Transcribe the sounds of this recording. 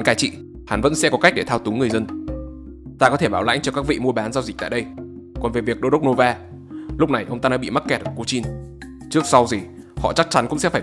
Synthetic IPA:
nkaː˨˩jt͡ɕḭ˧˨ | ha˨˦nvə̰˧˥nsɛ̰˧˥kɔ˨˦ka˦˥jk̚ɗe˧˩t̪ʰaː˧wt̪ʊ˨˦ŋ͡mŋɨ˨˩əjzə˧n | t̪aː˧kɔ˨˦t̪ʰe˧˩ɓaː˧˩wla̰˧˥jŋ̟t͡ɕɔ˧kaː˦˥k̚vḭ˧˨mu˧əɓaː˨˦nzaː˧wzi˨˩k̚t̪ːɗə˧j | kɔ˨˩nve˨˩vi˨˩ək̚ɗo˧ɗə˦˥k͡p̚no˧vaː˧ | lʊ˦˥k͡p̚na˨˩jʔə˧wŋ͡mt̪aː˧ɗa̰ː˧˥ɓḭ˧˨ma˦˥t̚kɛ˨˩t̚ʔəː˧˩ku˨˧˦t͡ɕi˧n | t͡ɕɨ˦˥ək̚sa˧wzi˨˩ | hɔ̰˧˨t͡ɕa˦˥k̚t͡ɕa˨˦nkʊ̰˧˥ŋ͡msɛ̰˧˥faː˧˩

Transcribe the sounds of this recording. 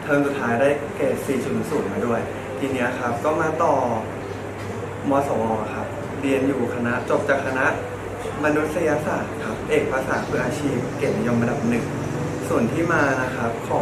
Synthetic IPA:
t̪ʰɤː˧ŋsu˨˩t̪ʰːaː˦˥jdaː˥˩jkɛː˨˩siː˨˩su˨˩˨suː˨˩nmaː˧˦du˥˩əj | t̪ʰiː˧ni˦˥ɐkʰa˦˥p̚t̪ɔ˥˩ŋmaː˧t̪ɔː˨˩ | mɔː˧sɔː˨˩mɔː˧˩kʰa˦˥p̚ | ɾi˧ənjuː˨˩kʰa˧na˦˥ʔt͡ɕo˨˩p̚t͡ɕaː˨˩kʰːa˧na˦˥ʔ | ma˧nu˦˥t̪̚sa˧ja˧saː˨˩t̪̚kʰa˦˥p̚ʔeː˨˩k̚pʰa˧saː˩˦pʰɯ˧˥˩ʔaː˧t͡ɕʰiː˥˩p̚ke˨˩na˧jo˧mɾa˧da˨˩p̚nɯ˨˩ŋ | su˨˩nt̪ʰiː˥˩maː˧na˦˥kʰa˦˥p̚kʰɔː˨˦

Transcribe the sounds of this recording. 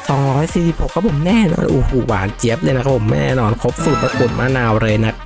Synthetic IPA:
sɔ˨˩˦ŋɾɔː˦˥jsiː˨˩si˨˩pho˨˩k̚ʰːa˨˥pʰo˨˩˦mnɛː˥˩nɔ̰ː˧nʔoː˧˩huː˨˩wa̰ː˨˩˦nt͡ɕi˦əp̚lɤː˧jna˦˥a˧˥˩pʰo˨˩˦ma̰˥˩jnɛ̰ː˥˩nɔː˧nkʰo˦˥p̚suː˨˩t̪̚la˦˥k̪u˨˩t̪maː˥˩naː˧wɾɤː˧jna˦˥k̚

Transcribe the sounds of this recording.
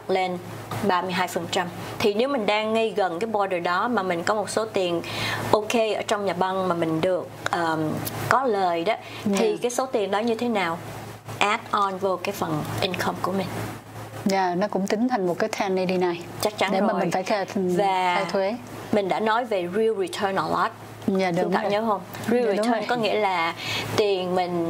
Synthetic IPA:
le˧n | ɓaː˧mɨ˧əjɦaː˧jfə˨˩nt͡ɕa˧m | t̪ʰi˨˩ne˨˦wmï˨˩ŋ̟ɗaː˧ŋːə˧jɣə˨˩nkaː˨˦jɓwɔ˧ɗəː˨˩jɗɔ˨˦maː˨˩mï˨˩ŋ̟kɔ˨˦mo˨˩t̚so˨˦t̪i˨˩ənʔo˧ke˧ʔəː˧˩t͡ɕwŋ͡mɲaː˨˩ɓa˧nmaː˨˩mï˨˩ŋ̟ɗɨ˨˩ək̚ʔəː˨˩kɔ˨˦ləː˨˩jɗɔ˨˦ | t̪ʰi˨˩kaː˨˦jso˨˦t̪i˨˩ənɗɔ˨˦ɲɨ˧t̪ʰe˨˦naː˨˩w | ʔɛ˨˦˥t̚ʔɔ˧nvo˧kaː˨˦jfə˨˩nʔi˧nkʰɔ˧mku˧˩əmï˨˩ŋ̟ | ɲaː˧˩nɔ˨˦kʊ̰˧˥ŋ͡mt̪ï˨˦ŋ̟t̪ʰa˨˩ŋ̟mo˨˩t̚kaː˨˦jt̪ʰɛ˧nːi˧ɗi˧naː˧jt͡ɕa˦˥k̚t͡ɕa˨˦nɗe˧˩˦maː˨m˨i˨ŋ̟faː˧˩jka˧vaː˨˩a˧t̪ʰwe˨˦ | mï̟˨˩ɗa̰ː˧˥nɔ˨˦jve˨˩ɹi˧əwɹi˨t̪ʰəː˧nʔɔ˧lɔ˦˥t̚ | ɲaː˧˨˧t̪a̰ː˧˨˩ɲəː˨˦ɦə˧wmɹi˧wi˨t̪ʰəː˧nkɔ˨˦ŋḭ˧˥əlaː˨˩t̪i˨˩ənmï˨˩ŋ̟

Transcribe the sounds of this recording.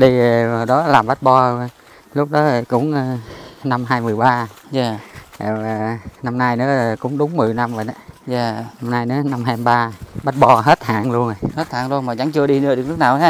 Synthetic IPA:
ɗi˧˨˩ɗɔ˨˦laː˨˩mɓa˦˥t̚ɓɔ˧˨ | lʊ˦˥k͡p̚ɗɔ˨˦˨kʊ̰˧˥ŋ͡mna˧mɦaː˧jmɨ˨˩əjɓaː˧ | zaː˨˩ḛ˨˩wa˨˩na˧mna˧jnɨ̰˧˦ə˨˩kʊ̰˧˥ŋ͡mɗʊ˨˦ŋ͡mmɨ˨˩əjna˧mvə˨˩nɗa˨˦zaː˨˧˩na˧mnaː˧jnɨ̰˧˦na˧mɦaː˧ɓaː˧ɓa˦˥t̚ɓɔ˧ɦe˦˥t̚ha̰ː˧˨˩ŋlu˧ən˨˩jhe˦˥t̚hʰa̰ː˨˩ŋlu˧ənmaː˨˩t͡ɕa˧˦ŋt͡ɕɨ˧əɗi˧nɨ˧əɗɨ˨˩əklʊ˦˥k̚naː˨˩waː˦

